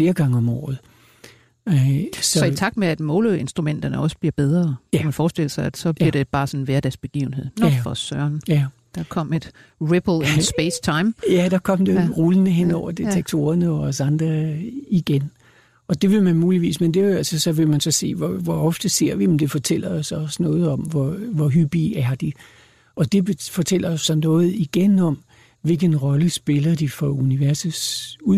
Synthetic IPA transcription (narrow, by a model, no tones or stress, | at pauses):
fle̝ːɐɡ̥ɑ̈ŋəɒ̽mɒ̰ːð̩ˠ | sɒɒ̽it͡sʰɑ̈ɡ̥̚d̥meæd̥mɔ̽ːləe̝nsd̥ʁumen̰d̥ɐnəɒ̽sə̥b̥liɐb̥eð̞ˠʁɐmænfɒːsd̥e̝l̰ɐsɑɪæd̥sɒ̽b̥liɐɾ̥e̝b̥ɑ̈ːsɒ̽nnʋæɐd̥æsb̥e̝ɡ̥ḭːʊn̩ɦe̝ð̞̰ˠnɒ̥fɒ̽sɶɐnd̥ɑ̈kʰɒ̽m̰e̝d̥ | ʁeb̥l̩ˠensb̥est͡sʰɑ̈ɪmjæd̥ɑ̈kʰɒ̽m̰d̥eʁulənəɦen̰ɒʊ̰ɐd̥e̝t͡sʰeɡ̥̚t͡sʰo̝̰ːɐnəɒɒsɑ̈nd̥ʁɐiɡ̥en | ɒ̽d̥e̝ʋe̝mænmuːliʋḭːsmend̥e̝ælsəsɒ̽ʋe̝mænsɒ̽se̝̰ːʋɒʋɒɒ̽fd̥əse̝ɐ̰ʋiend̥e̝fɒ̽t͡sʰel̰ɐɒ̽sɒ̽snɔ̽ːð̞̩ˠɒ̽mʋɒʋɒɦyb̥iæɐd̥i | ʔɒ̽d̥e̝befɒ̽t͡sʰel̰ɐɒ̽sːɒ̽nɔ̽ːð̞̩ˠiɡ̥enɒ̽m | ʋe̝lɡ̥ənʁɒ̽ləsb̥e̝lɐd̥ifɒuniʋæɐsəsu